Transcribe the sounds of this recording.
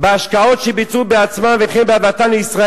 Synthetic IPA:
beaʃkao̞t̪ʃebit͡subeat͡smamveχenbeabat̪anleisʁa

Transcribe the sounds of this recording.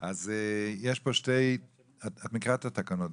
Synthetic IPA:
azɛjɛʃboʃtej | aatmɪkʁatatakanɔt

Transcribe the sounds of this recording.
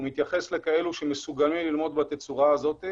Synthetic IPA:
mit̪jaχe̞sle̞kae̞luʃemesuɡamimlilmo̞d̪bat̪et͡suʁaːzo̞t̪i

